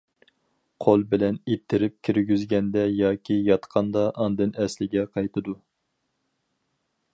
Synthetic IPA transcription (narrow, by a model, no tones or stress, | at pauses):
qʰolˠbɪlɛnet̪ʰːɪɾɪp̚kʲʰiɾɡʲyzɡʲɛnd̪ɛjɑːkʲʰijɑt̪qʰɑnd̪ɑʔɑnd̪ɨnɛslɪɡʲɛqʰɑjt̪ʰɨd̪u